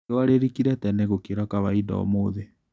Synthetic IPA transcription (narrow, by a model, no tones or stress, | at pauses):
waɾeɾikiɾɛtɛnɛɣokeɾakaβaidɔ̰ɔ̰moðe